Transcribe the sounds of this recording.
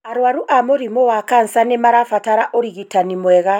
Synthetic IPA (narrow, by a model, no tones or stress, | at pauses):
aɾwaɾuʔamoɾimowakansanemaɾafataɾaʔoɾiɣitanimwɛɣa